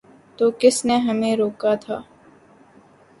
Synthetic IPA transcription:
t̪oːkɪsneɦəmẽːɾoːkaːt̪ʰa̰ː

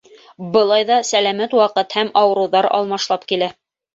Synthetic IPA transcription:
bɤ̆lˠɑjðɑsælæmæt̪wɑqɤt̪hæmɑwɤ̆ɾɤ̆wðɑɾɑ̰lˠmɑʃlˠɑpkilæ

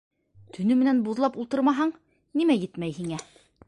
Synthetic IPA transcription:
t̪ʰɵ̆nɵmɘ̆nænbuðlˠɑpulˠt̪ɤɾmɑɦɑɴ | nimæjɘt̪mæjhiŋæ

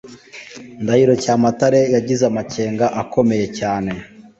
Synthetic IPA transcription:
ndahiɾo̞caːmataɾe̞jaɟizamace̞ːŋɡaʔako̞me̞je̞caːne̞

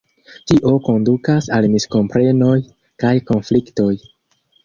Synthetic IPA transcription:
tiʔo̞ko̞ndukasalmisko̞mpɾe̞no̞j | kajko̞nflikto̞j

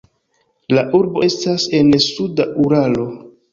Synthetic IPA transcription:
laʔuɾbo̞e̞stase̞nsudaʔuɾalo̞

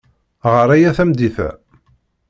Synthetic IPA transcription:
ʁəɾæjæθæmd̪iθæ̰

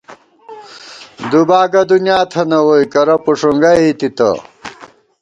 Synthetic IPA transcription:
d̪ubaːɡɐd̪unjaːt̪ʰɐnɐwojkɐɾɐpuʂuŋɡɐit̪it̪ɐ̰

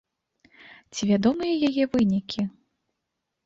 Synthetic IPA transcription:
t͡sʲivʲad̪ɔmɨjɛjajɛvɨnʲikʲʰi

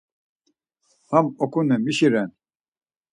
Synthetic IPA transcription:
hamɔkʰunɛmiʃiɾɛn

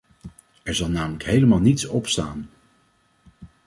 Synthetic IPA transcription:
ɛɹzɑlˠnaːmələkɦejləmaːlˠnitsɔpsta̰ːn

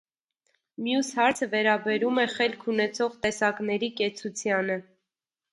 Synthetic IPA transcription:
mjushɑɾt͡sʰəvɛɾɑbɛɾumɛχɛlkʰunɛt͡sʰɔʁt̪ɛsɑknɛɾikɛt͡sʰut͡sʰjɑnə

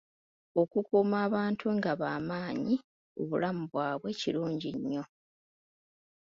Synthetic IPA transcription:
o̞kukumaːβaːntʰuŋɡaβaːmaːɲi | o̰βulamuβwaːβwe̞ciluːɲɟiɲːo̞

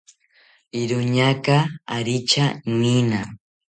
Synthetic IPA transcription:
ɪɾʊɲakaaɾɪt͡ʃanɪna

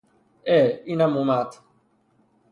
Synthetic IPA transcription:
einamũmaːt̪ʰ

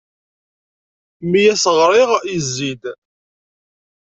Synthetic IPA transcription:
mijæsəʁɾˤiʁizːid̪

